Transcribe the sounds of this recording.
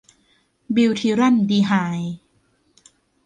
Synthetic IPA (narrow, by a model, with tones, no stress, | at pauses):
bi˧wt̪ʰiː˧˥ɾa˥˩˨ndiː˧ɦaː˩˦j